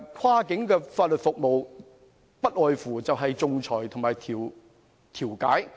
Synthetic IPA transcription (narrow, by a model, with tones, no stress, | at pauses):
kʰaː˧˥kɪ˨˥ŋkɛː˧faː˧t̚lɵ˨t̚fʊ˨k̚mo˨w | pɐ˥t̚ʔɔː˨jfuː˨˩t͡sɐ˨wɦɐ˨jt͡sʊ˨ŋt͡ʃʰɔː˨˩jt̪ʰʊ˨˩ŋmaː˨jt̪ʰiː˨˩w | t̪ʰiː˨˩wkaː˨˥j